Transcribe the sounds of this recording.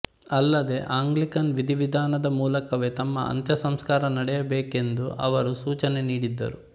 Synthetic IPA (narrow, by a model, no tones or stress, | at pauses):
ɐlːɐd̪e̞ʔaːŋɡlikɐnʋid̪ʱiʋid̪ʱaːnɐd̪ɐmuːlɐkɐʋet̪ɐmːɐ̰ɐ̰nt̪jɐsɐmskaːɾɐnɐɽɛjɐbeːke̞nd̪uʔɐ̰ʋɐɾusuːt͡ʃɐneniːɽid̪ːɐ̰ɾu